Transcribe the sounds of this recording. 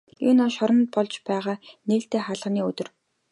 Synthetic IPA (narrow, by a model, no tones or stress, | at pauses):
juːnɔʃɔɾɞ̆nt̪̚pɔɮt͡ɕpæːʁaːneːɬt̪eːχaɮʁniːɵt̪ɵ̆r